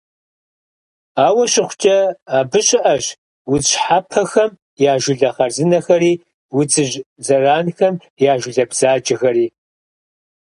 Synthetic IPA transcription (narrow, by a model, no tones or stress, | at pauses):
aːwɐɕʼɪχʷʊt͡ʃʼɐaːbɨɕʼɪʔɐɕ | wʊɕħapʰɐxɐm | jaːʒʷʊɮɐχɐrzɨnɐxɐɾiː | wʊt͡sʼɨʑzɐraːnxɐm | jaːʒʷʊɮɐbz̥aːt͡ʃʼɐxɐɾiː